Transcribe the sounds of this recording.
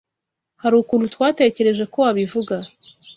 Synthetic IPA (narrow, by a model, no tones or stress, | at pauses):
haɾuːkuɾutwaːte̞ːce̞ɾe̞ʒe̞ko̞waβivuɡa